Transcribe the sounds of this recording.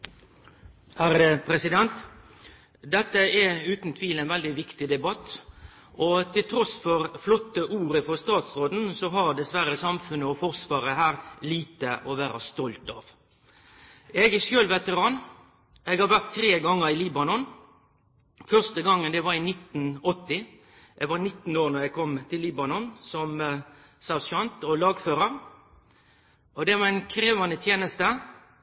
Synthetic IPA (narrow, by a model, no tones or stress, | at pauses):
hæɾədəpʰɾɛsɪd̪ɛnt̪ | d̪ɛt̪ːəɛʉːt̪nt̪ʰʋiːlɛːnʋɛld̪ɪʋɪkt̪ɪd̪ɛbɑt̪ː | ʔɔt̪ʰɪlt̪ʰɾɔsfɔɾflɔt̪ːəʔuːɾəfɔst̪ɑːt̪sʁoːd̪n̩sɔɦɑɾd̪ɛsʋæɾəsɑmfʉnəɔfɔʁsʋɑːɾəɦæːɾliːt̪əʔɔʋæːɾɑst̪ɔlt̪ɑ̰ʋ | ɛɡɛʂøːlʋɛt̪əɾɑːn | ɛːɡhɑʋæʁt̪ʰːɾeːɡɑŋːəɾɪliːbɑnɔn | fœʁst̪əɡɑŋːənd̪ɛʋɑɾɪnɪt̪ːn̩ɔt̪ːɪ | ɛɡʋɑnɪt̪ːn̩oːɾnɔɾɛɡkʰɔmt̪ʰɪlːiːbɑnɔnsɔm | sæsɑnt̪ɔlɑːɡføːɾəɾ | ɔd̪ɛʋɑɾɛɪnkʰɾeːʋɑnət̪ʰjeːnəst̪ə